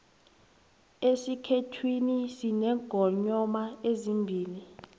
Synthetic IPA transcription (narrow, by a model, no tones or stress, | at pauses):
esikʰetʰwinisinɛɡ̥ʱɔɲɔmaezimbʱiːli